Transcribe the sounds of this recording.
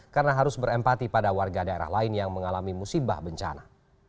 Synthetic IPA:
karnaɦaɾʊsbəɾɛmpat̪ipadawarɡadaeɾa̰hlaɪnjaŋməŋalamimusiba̰hbəɲt͡ʃa̰na

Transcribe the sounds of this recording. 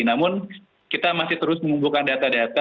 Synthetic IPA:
namʊn | kit̪amasɪht̪əɾʊsməŋumbulkandat̪adat̪a

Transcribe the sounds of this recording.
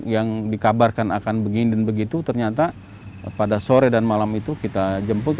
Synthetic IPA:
jaŋdikabarkanakanbəɡindənbəɡit̪ut̪ərɲat̪a | padasoɾɛdanmalamit̪ukit̪ad͡ʒəmpʊ

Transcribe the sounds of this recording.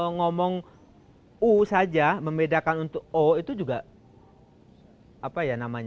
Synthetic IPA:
ŋɔmɔŋ | usad͡ʒaməmbedakanunt̪ʊk̚oit̪ud͡ʒuɡa | apajanamaɲa

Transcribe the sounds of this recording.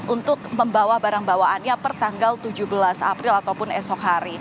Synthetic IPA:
ʔunt̪ʊk̚məmbawahbaɾaŋbawaanɲapərt̪aŋɡalt̪ud͡ʒubəlasa̰pɾɪlat̪awpʊnɛsɔkɦaɾi

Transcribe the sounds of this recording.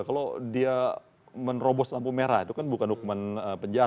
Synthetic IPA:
kalodia | mənrobɔslampumeɾait̪ukanbukanhukumanəpəɲd͡ʒa

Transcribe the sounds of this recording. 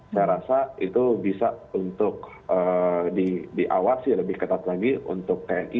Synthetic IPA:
sajɾasait̪ubisaunt̪ʊk̚ | ədidiʔawasɪhləbɪhkət̪at̪laɡiṵnt̪ʊk̚t̪eɛni

